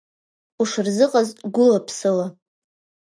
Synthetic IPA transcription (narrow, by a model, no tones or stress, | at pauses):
uʂɨrzɨqʼazɡʷʊlapʰsɨla